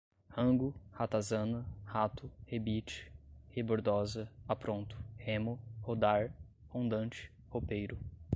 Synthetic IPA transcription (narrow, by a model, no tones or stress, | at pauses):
hɐ̃ŋɡʊhat̪azɐ̃nɐhat̪ʊhebit͡ʃɪ̥heboɾd̪ɔzɐapɾõnt̪ʊ̥hẽmʊhod̪aɾ | hõnd̪ɐ̃nt͡ʃɪ̥ | hopejɾʊ